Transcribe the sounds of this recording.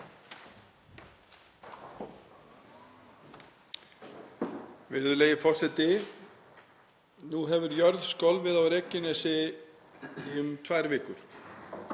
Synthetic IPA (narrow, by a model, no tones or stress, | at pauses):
vɪɾðʏlejɪfɔr̥sɛt̪ɪ | nuɦɛvʏɾjœɾðskɔwlvɪðawɾeːcɪnɛsɪ | ʏmt̪ʰvajɾvɪːkʏɾ̥